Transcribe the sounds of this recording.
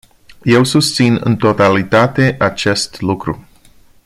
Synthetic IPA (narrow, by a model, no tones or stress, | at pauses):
je̞wsust̪sinɨ̰nt̪o̞t̪alit̪at̪e̞ʔat͡ʃe̞st̪lukɾṵ